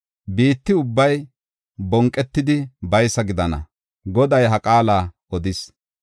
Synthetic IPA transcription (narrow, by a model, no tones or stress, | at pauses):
biːt̪ːɪʊbːɐj | bɔŋkʼːɛt̪ːɪd̪ɪbɐjsɐɡɪd̪ɐnɐ̰ | ɡɔd̪ɐjɦɐkʼaːlaː | ɔd̪ɪs